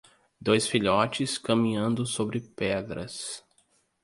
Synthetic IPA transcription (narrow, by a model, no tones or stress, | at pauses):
d̪ojsfiʎɔt͡ʃɪskɐmĩɲɐ̃nd̪ʊsobɾɪpɛd̪ɾɐ̰s